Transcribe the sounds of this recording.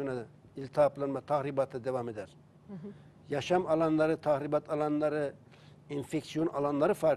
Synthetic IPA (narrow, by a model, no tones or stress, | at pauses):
ona | ilʲt̪ʰɑːplˠanmat̪ʰaɣɾibat̪ʰɯd̪evamed̪ɛɾ | jɑʃamɑlˠɑnlˠɑɾɯt̪ʰaɣɾibat̪ʰɑlˠɑnlˠɑɾɯ | infeksijonɑlˠɑnlˠɑɾɯfaɾ